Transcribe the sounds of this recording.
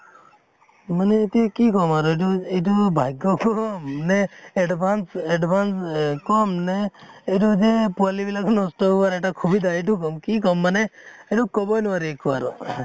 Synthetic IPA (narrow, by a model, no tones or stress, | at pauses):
mənet̪ikikɔmaɾoeʈueʈubʱajɡɔkɔmneeɖbʱanseɖbanskɔmneːʈud͡ʒepalibilaknɔsʈɔʋaɾeʈakʰubid̪ʱaeʈuk̬ɔmkiːkɔmːəneeʈukɔbɔjnʋaɾekʰʋaɾo̰